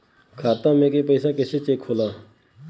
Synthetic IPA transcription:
kʰaːt̪ãːmeːkeːpəsaːkeɕʰeːt͡ɕeːkʰoːlaː

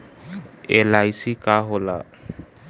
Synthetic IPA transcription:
ɛlajsikaɦɔla̰

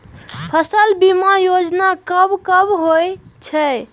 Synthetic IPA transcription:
pʰəsəlbimajod͡ʒnakəbkəbɦojt͡ʃʰə

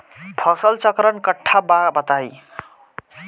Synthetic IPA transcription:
pʰʌsʌlt͡sʌkɾʌnkʌʈʰːababʌt̪aj

